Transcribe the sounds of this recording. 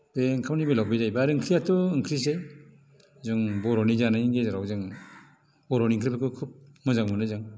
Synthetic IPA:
beŋkʰamnibɯlawbizajbaɾɯŋkʰɾijatɔɯŋkʰɾis̬ej | zɔŋbɔɾɔnizanajɡezɾawzaŋ | bɔɾɔniŋkʰɾipʰakʰɯkʰup̚mɔzaŋmɯnɯzaŋ

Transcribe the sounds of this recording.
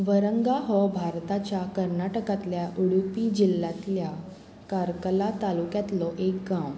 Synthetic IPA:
ʋəɾəŋɡaɦɔbʱaɾt̪at͡ɕjakəɾnaʈəkat̪ljaʔuɽupid͡ʑilːat̪lja | kaɾkəlat̪alukjat̪lɔʔekɡãm

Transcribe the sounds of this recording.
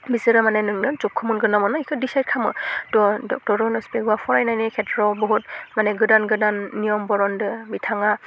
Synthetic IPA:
bisɯɾɯmanɛnɯŋnɯzɔkʰːɔmunɡɯnɔmɯnaikʰɯdisajt̚kʰamɯ̰tɔdɔ̰k̚tɔɾɔnɔspɛɡɔwapʰɔɹajnajnɛkʰɛtɹɔbɔɦut̚manɛɡɯdanɡɯdanːijɔmbɔɹɔndɯbitʰaŋa

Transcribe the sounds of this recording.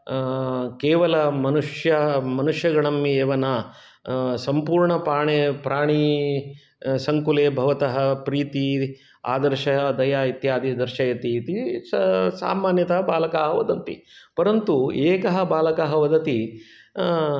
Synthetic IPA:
keːʋɐlɐmɐnuʂjɐmɐnuʂjɐɡɐɭɐmːieːʋɐnɐ | sɐmpuːɾɳɐpɾaːɳepɾaːɳ̃i | sɐŋkuleːbʱɐʋɐt̪ɐɦɐpɾiːt̪i | a̰ːd̪ɐɾʃɐɦɐd̪ɐjaːit̪jaːd̪id̪ɐɾʃɐjɐt̪iːt̪issa̰ːmaːnjɐt̪ɐɦɐbaːlɐkaːɦɐʋɐd̪ɐnt̪ḭpɐɾɐnt̪ueːkɐɦɐ̆baːlɐkaːɦɐʋɐd̪ɐt̪i

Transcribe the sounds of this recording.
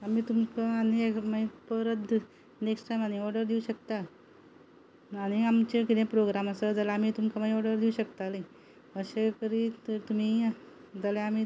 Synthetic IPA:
amiːt̪umkaaniekməipəɾəd̪ | neksʈajmañiɔɾɖəɾd̪iuɕəkt̪a | aɽ̃iamt͡ɕekid̪ẽpɾoɡɾaməsəd͡zəlaam̤iːt̪umkʰamaiɔɾɖəɾd̪iuɕəkt̪ale | əɕekəɾit̪ət̪um̤i | d͡zəleam̤iː

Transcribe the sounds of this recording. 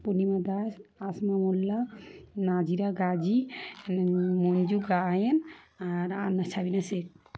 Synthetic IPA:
ponimad̪asasmamulːanad͡ʒiɾaɡad͡ʒi | mond͡ʒuɡajen | aɾanat͡ʃʰabinasek̚

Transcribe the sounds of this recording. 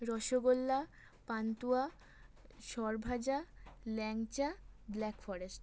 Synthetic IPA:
ɾɔʃoɡolːa | pant̪ua | ʃɔɾbʱad͡ʑalɛŋt͡ɕablɛkfɔɾesʈ

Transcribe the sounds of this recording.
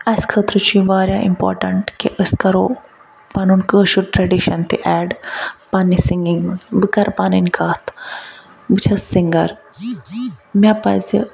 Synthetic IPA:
ɐskʰəːt̪ɾɨt͡ʃʰiʋaːɾjaːʔḭmpɔ̰ːɾʈɐɳʈkeʔəskɐɾoː | pɐnunkəːʃuʈɾɐɖiʃɐnt̪ʰḭʔɛːɖpɐnːisiŋɡiŋbɨkɐɾpaːninkʰaːt̪ʰ | bɨt͡ʃʰɐsiŋɡɐɾ | mʲapɐzi

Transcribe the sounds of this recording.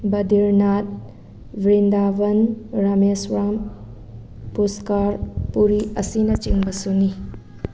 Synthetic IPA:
bɐdiɾnat̚ | bɾindabɐnɾamesɾam | puskaɾpuɾiɐsinɐt͡ʃiŋbɐsuni

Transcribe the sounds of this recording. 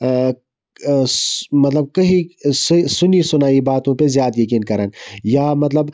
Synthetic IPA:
mɐt̪lɐb̚kɐɦĩssʊnisʊnaːibaːt̪õpezjaːt̪jɐkiːnkɐɾənjaːmɐt̪ləb

